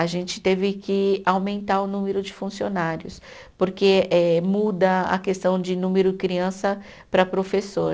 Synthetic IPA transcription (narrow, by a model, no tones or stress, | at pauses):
aʒẽnt͡ʃɪ̥t̪evɪkɪawmẽnt̪aɾʊnũmeɾʊd͡ʒɪfũsionaɾjʊs | poɾkeɛmud̪ɐɐ̰kest̪ɐ̃w̃d͡ʒɪnũmeɾʊd͡ʒɪkɾiɐ̃sɐ | pɾɐpɾofesoɾ